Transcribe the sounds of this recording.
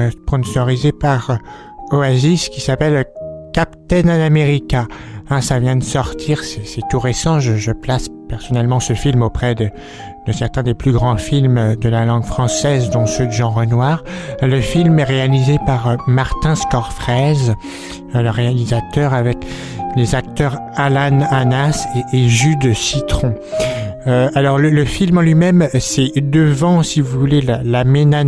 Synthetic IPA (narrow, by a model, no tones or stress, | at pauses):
spɔ̃nsɔʁizepaʁ | oaziskʲisapɛlkapt̪ɛnanameʁikaɛ̃savjɛ̃d̪əsɔʁt̪ʰiʁsɛsɛt̪uʁesɑ̃ʒəʒəplaspɛʁsɔnɛlmɑ̃səfilmopχɛd̪ə | d̪̥əsɛʁt̪ɛ̃d̪eplyɡʁɑ̃filmd̪əlalɑ̃ɡfχɑ̃sɛzd̪ɔ̃sød̪əʒɑ̃ʁənwaːʁləfilmɛʁealizepaʁmaʁt̪ɛ̃skɔʁfχɛz | ləʁealizat̪œʁavɛk | lezak̚t̪œʁ | alananaseːʒyd̪sit̪χɔ̃ | øalɔʁlələfilmɑ̃lɥimɛmsɛd̪əvɑ̃sivuvulelalamena